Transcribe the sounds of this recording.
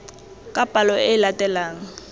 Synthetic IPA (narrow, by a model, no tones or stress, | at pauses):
kʼapʼalɔɪlatʼɛlaːŋ̩